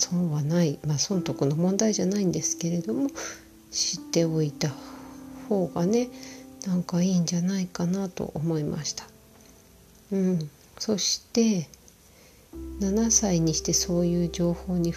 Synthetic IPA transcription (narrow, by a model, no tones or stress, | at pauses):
so̞ːβanaimaːsõ̞nt̪o̞kɯ̟no̞mõ̞nd̪aiʑanaĩnd̪e̞sɨ̥ke̞ɾe̞d̪o̞mo̞ | ɕit̪ːe̞o̞it̪aho̞ːɡane̞nãŋkaiːɲ̟d͡ʑanaikanat̪o̞̰ʔomo̞imʔa̰ɕi̥t̪ḁ | ɯ̟̃ɴ | so̞ɕi̥t̪e̞ | nanasaiɲ̟iɕi̥t̪e̞so̞ːjɯ̟ːʑo̞ːho̞ːɲ̟i